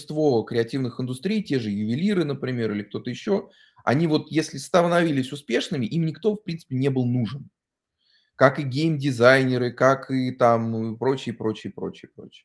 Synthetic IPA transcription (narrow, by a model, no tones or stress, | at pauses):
st̪vo̞kɾʲɪɐtʲivnɨxɨnd̪ʊst̪ɾʲijtʲe̞ʐɨjʊvʲɪlʲiɾɨnəpɾʲɪmʲe̞ɾɨlʲɪkt̪o̞t̪əɪɕːo̞ | ɐ̰nʲivo̞t̪jesʲlʲɪst̪əvənɐvʲilʲɪsʲʊspʲe̞ʂnɨmʲɪʔimnʲɪkt̪o̞fpɾʲinsɨ̥pʲɪnʲe̞bɨlˠnuʐɨn | kakɨɡʲejmdʲɪzajnʲɪɾɨkakɨt̪ampɾo̞t͡ɕɪəpɾo̞t͡ɕɪəpɾo̞̰t͡ɕɪəpɾo̞̰t͡ɕɪ̥ə